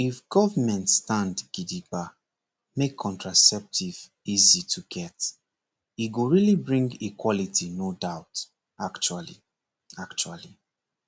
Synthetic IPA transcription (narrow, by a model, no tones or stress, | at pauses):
ifɡ̥ɔvəmɛ̃ntstãndɡ̥idiba | mekʰːɔ̃ntɹasɛp̚tʰiv | izitʰuɡɛt | iɡoɹilibɹĩŋɡikʰwɔlitʰinodaʊt | akt͡ʃualḭ | akt͡ʃua̰li